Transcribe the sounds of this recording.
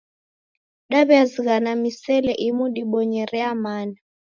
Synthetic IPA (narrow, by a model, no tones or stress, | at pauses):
ɗaɓɛazik̬anamisɛlɛʔimuɗiɓɔɲɛrɛamaːna